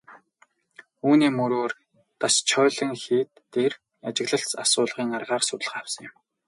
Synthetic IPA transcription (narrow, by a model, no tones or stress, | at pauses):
uːniːmɵɾoːr | t̪ast͡ɕʰœːɮə̆ŋxiːt̪ː | er | at͡ɕɪ̆ɣɮə̆ɬt͡sasʊːɮʁiːŋarʁaːrsʊt̪əɮə̆awsə̆ŋjɪ̆m